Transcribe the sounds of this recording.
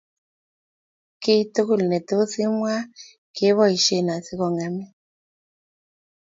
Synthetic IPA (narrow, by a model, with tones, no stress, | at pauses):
ke˦i˦to˦ku˦˨li˨nɛ˨to˦o˦θi˦mwa˦ | ke˨˦βɔ˦i˨ʃe˨na˨θi˦kɔ˨ŋa˨mi˦